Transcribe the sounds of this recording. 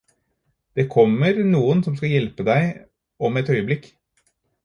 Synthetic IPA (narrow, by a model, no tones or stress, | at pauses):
d̪̥eːkʰɔmːəɾnuːənsɔmskɑjɛlpəd̪æɪ | ɔmɛt̪œʏəblɪk